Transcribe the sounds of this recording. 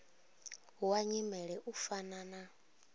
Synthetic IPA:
waɲimɛɺɛʔufanana

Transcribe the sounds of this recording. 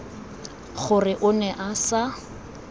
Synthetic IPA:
χʊrɪʔʊnɛʔasa

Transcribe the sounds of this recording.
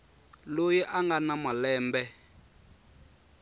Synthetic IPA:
lojiʔaŋɡanamalɛːmbɛ

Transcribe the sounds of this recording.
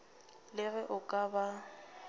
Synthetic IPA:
lɪɣɛʔʊkʼaba

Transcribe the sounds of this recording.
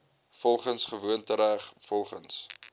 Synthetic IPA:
fɔlˠχənsχəvuəntəɾæχfɔlˠχəns

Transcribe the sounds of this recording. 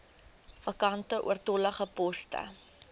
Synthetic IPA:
fɐkɐntəʔṵərtɔləχəpɔstə̰

